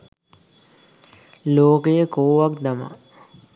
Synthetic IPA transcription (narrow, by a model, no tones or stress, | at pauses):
loːkejəkoːʋak̚d̪ama̰